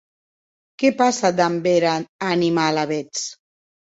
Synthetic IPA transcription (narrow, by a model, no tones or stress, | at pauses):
kepasad̪ambeɾaanimalaβet͡s